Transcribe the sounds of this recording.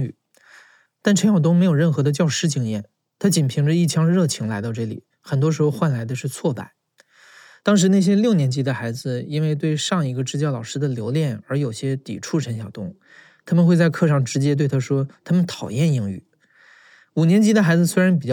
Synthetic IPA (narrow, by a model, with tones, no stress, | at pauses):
y˨˩ | t̪a˥˩nʈ͡ʂʰə˧˥nɕjɑ˨˩t̪̬ʊ˥ŋme˧˥ɪjo˨˩ʊɻə˥˩nxɤ˧˥d̪ə˧t͡ɕjɑ˥˧ʊʂɻ̩˥t͡ɕi˥ŋjɛ˥˩n | t̪ʰa˥t͡ɕi˨˩npʰi˧˥ŋʈ͡ʂə˧i˥˩t͡ɕʰjɑ˥ŋɻɤ˥˩t͡ɕʰi˧˥ŋla˧˥ɪt̪ɑ˥˧ʊʈ͡ʂɤ˥˩lḭ˨˩ | xə˨˩nt̪wɔ˥ʂ̬ɻ̩˧˥xo˥˧ʊxwa˥˩nla˧˥ɪd̪ə˧ʂɻ̩˥˧t͡sʰwɔ˥˧pa̰˥˩ɪ | t̪ɑ˥ŋʂ̬ɻ̩˧˥na˥˩ɕ̬jɛ˥ljo˥˩ʊnjɛ˧˥nt͡ɕi˧˥d̪ə˧xa˧˥ɪd͡zɹ̩˧i˥nwe˥˧ɪt̪̬we˥˧ɪʂɑ˥˩ŋi˧˥ɡə˧ʈ͡ʂɻ̩˥˧t͡ɕjɑ˥˩lɑ˨˩ʊʂɻ̩˥d̪ə˨ljo˧˥ʊljɛ˥˩nə˞˧˥jo˨˩ʊɕjɛ˥t̪ḭ˨˩ʈ͡ʂʰu˥˩ʈ͡ʂʰə˧˥nɕjɑ˨˩ʊt̪ʊ˥ŋ | t̪ʰa˥mə˨nxwe˥˧ɪt͡sa˥˧ɪkʰɤ˥˧ʂɑ˥˩ŋʈ͡ʂɻ̩˧˥t͡ɕjɛ˥t̪we˥˩ɪt̪ʰa˥ʂwɔ˥t̪ʰa˥mə˨nt̪ʰɑ˨˩ʊjɛ˥˩ni˧˥ŋy̰˥˩˦ | u˨˩njɛ˧˥nt͡ɕi˧˥d̪ə˧xa˧˥ɪd͡zɹ̩˧swe˥ɪɻa˧˥np̬i˨˩t͡ɕ